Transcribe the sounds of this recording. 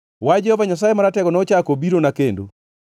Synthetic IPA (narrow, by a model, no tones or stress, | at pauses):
wad͡ʒɛhɔvaɲas̬ajemaɾatɛɡɔnɔt͡ʃakobiɾonakendo̰